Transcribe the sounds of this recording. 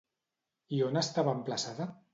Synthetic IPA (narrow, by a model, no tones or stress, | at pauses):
ionəst̪aβaːmplasaða